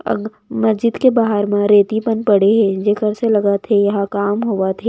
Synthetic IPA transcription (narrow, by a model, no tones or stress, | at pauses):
ɐ̰ɡ | mɐsd͡ʒɪd̪kebaːɦəɾmãɾeːt̪ipənpɐɽeɦɛ̃d͡ʒekəɾselɐɡat̪ʰejɐɦãkaːmɦoʋat̪ʰe